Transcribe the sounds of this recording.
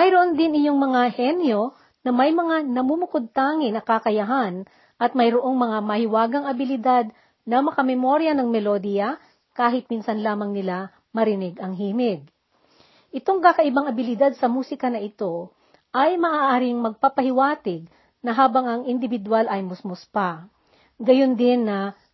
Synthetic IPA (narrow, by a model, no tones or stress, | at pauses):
mɐjɾoʔond̪ɪnɪjo̞ŋmɐŋahɛnjo | nɐmɐjmɐŋanɐmumʊkod̪̚t̪aːŋɪnɐkakɐjɐɦan | ʔɐt̪̚mɐjɾoʔo̞ŋmɐŋamɐhɪwaːɡɐŋɐbɪlɪd̪ad̪ | nɐmɐkɐmɛmoɾjɐnɐŋmɛlod̪ijɐ | kaːɦɪt̪̚minsɐnlaːmɐŋnɪla | mɐɾɪnɪɡɐŋɦiːmɪɡ̚ | ʔɪt̪o̞ŋkakɐʔɪbaŋɐbɪlɪd̪ad̪̚sɐmuːsɪkɐnɐʔɪt̪o̞ | ʔɐjmɐʔaːʔːʔaːɾɪŋmɐɡ̚papɐhɪwaːt̪ɪɡ̚ | nɐɦaːbɐŋɐŋʔɪnd̪ɪvɪd̪walʔɐjmʊsmʊspa | ɡɐjond̪ɪnːɐ